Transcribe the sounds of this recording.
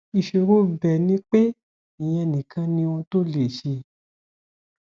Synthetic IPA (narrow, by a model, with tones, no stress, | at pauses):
i˨ʃo˧ɾo˦˨bɛ˨nĩ˨˦k͡pe˦ | i˨j̃ɛ̃˧ɛ˧˨nĩ˨kʰã˧nĩ˧õ˧to˦le˦˨ʃe˧